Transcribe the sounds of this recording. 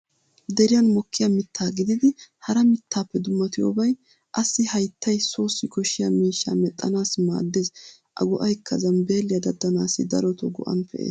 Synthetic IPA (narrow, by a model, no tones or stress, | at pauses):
d̪ɛɾɪjɐnmɔkʰːɪjamɪt̪ʰːaːɡɪd̪ɪd̪ɪhɐɾɐmɪt̪ːaːpːɛd̪ʊmːɐt̪ɪjo̰ːbɐj | ʔɐsːɪhɐjt̪ʰːɐjso̞ːsːɪkɔʃɪjamiːʃːa̰mɛt̪ʼːɐnaːsma̰ːd̪ːeːz | ʔɐ̰ɡɔʔɐjkʰːɐzɐnbe̞ːlːɪjɐd̪ɐd̪ːɐnaːsːɪd̪ɐ̰ɾɔt̪ɔɡɔʔɐ̰npʰɛʔḛːs